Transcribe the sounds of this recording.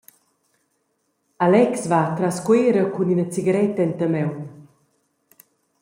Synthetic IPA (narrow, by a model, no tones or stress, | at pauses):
alɛksvat̪ɾaskweːɾəkuninət͡siɡəɾɛt̪əɛnt̪əmɛwn